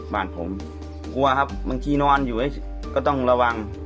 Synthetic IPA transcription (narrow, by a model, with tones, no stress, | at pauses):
ba̰ː˨˩n̚pʰo̰˨˩˦m | ku˧ɐkʰa˦˥p̚ba˧ŋt̪ʰiː˧nɔː˧njuː˨˩ʔaː˦˥˩ | kɔː˥˩t̪ɔ˥˩ŋla˧wa˧ŋ